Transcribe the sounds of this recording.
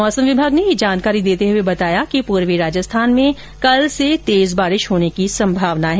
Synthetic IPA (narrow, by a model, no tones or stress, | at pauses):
ɔːsəmʋɪbʱaːɡnejid͡ʒaːnkaːɾid̪eːt̪eɦʊebɐt̪aːjakipuːɾʋiɾaːd͡ʒəst̪ʰaːnmẽ | kɐlset̪eːzbaːɾɪʃɦoːnekisɐ̃mbʱaːʋnaɦɛː